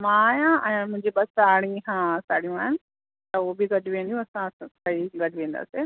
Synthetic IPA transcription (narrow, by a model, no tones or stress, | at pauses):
mãːjãʔɛ̃ːmʊ̃ɦɪ̃ɲd͡ʑiɓɐsaːɽ̃ĩɦãsaːɽijũaːɦɪnɪ | t̪ɐobɪɡɐɗʋẽːn̆d̪ijũɐsãkɐiɡɐɖʱɪʋẽːn̆d̪a̰ːse